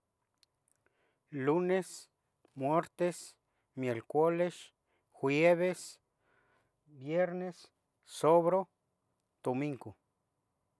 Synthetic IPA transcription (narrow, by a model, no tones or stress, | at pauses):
lunes | mweɾt̪es | mjelkʷoleʃ | xweβes | bjeɾnes | soβɾo | d̪̥omiŋɡo